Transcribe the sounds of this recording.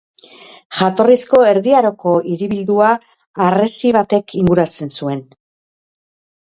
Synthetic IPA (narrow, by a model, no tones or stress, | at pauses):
ʝat̪o̞risko̞e̞ɾðiaɾoko̞iɾiβild̪uaː | re̞siβ̞at̪e̞kʰiŋɡuɾat͡se̞nsue̞n